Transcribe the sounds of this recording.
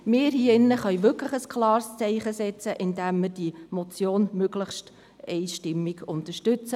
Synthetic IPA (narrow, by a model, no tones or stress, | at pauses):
mɪːɾhiːɪnːəχœʏʋʏkləχəskʰlɑːɾst͡sɛɪχəsɛt͡səʔɪndæmːɪɾd̥imɔt͡sjoːnmøɡləχʃt | ɛɪʃtɪmːɪɡʊnt̪əɾʃtʏt͡sə